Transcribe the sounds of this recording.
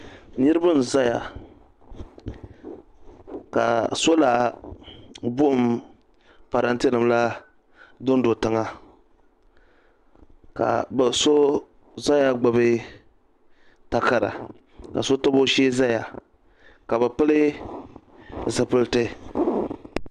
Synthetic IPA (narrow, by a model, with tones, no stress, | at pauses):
nɨ˦ɾɨ˦bɨ˦n˨za˦ja˨ | ka̰˨so˦la˨ | bu˦˨m | pa˨ɾa˨ntɛ˦lɨ˨mla˦ | dʊ˦n˦do˨tɨ˨ŋa˨ | ka̰˨bso˦ | za˦ja˦ɡ͡ba˨bɨ˦ | ta˨ka˨ɾa̰˨ | ka̰˨so˦to˦bo˦ʃeː˦za˦ja˨ | ka˨bɛ˨pɨ˦lɨ˦ | zɨ˨pɨ˦ltɨ˦